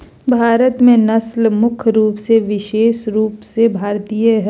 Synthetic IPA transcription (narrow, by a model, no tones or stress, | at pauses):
bʱaːɾət̪mẽnɐslmʊkʰɾuːpseʋɪʃeːʃɾuːpsebʱaːɾt̪ijəɦ